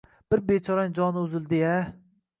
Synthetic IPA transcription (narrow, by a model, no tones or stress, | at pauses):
b̥ɪɾbet͡ʃʰɒɾand͡ʒɒnɪʊzɪld̪ɪa